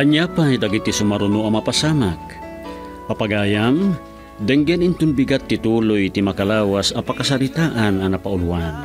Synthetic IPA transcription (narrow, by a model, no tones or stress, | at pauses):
ʔɐɲapajd̪aɡit̪ːisumaɾunuamapasamak̚ | papaɡaːjam | d̪ɛŋɡɛnint̪ʊnbiɡat̪ːit̪uːlojt̪imakalaːwasɐpakas̬alit̪aʔananapauluwan